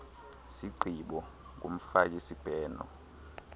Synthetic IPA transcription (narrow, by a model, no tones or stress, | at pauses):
siǃʱiɓɔ | ŋʱom̩fakʼisib̥ʱɛːnɔ̰